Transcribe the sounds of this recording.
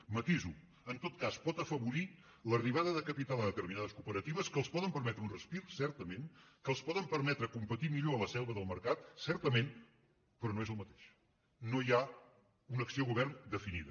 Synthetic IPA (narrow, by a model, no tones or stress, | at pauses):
mət̪izu | ənt̪ot̪kaspɔt̪əfəβuɾi | ləriβ̞aðəðəkəpit̪alˠəðət̪əɾminaðəskupəɾət̪iβ̞əskəlˠspɔðəmpəɾmɛt̪ɾəunrəspiɾsɛɾt̪əmenkəlˠspɔðəmpəɾmɛt̪ɾəkumpət̪imiʎoələsɛlˠβəðəlˠməɾkat̪sɛɾt̪əmen | pɾɔnoezəlˠmət̪e̥ʃ | noja | unəksioɣuβ̞ɛrnd̪əfiniðə